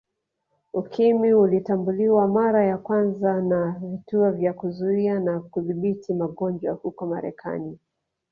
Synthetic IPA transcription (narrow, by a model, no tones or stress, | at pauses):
ukimiulitambuliwamaɾajakwanzanavituɔvjakuzuianakuðiɓitʰimaɠɔnd͡ʒwahukɔmaɾɛ̰kʰa̰ni